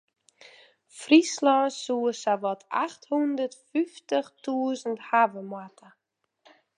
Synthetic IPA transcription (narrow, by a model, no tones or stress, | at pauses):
frislɔsuəsaʋɔtʰaxthundərtfyftəxtuəzənthavəmwatʰə